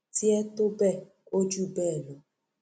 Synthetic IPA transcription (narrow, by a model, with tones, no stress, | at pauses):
ti˦e˦tʊ˦bɛ˦ | o˦d͡ʒu˦be˦˨lo˨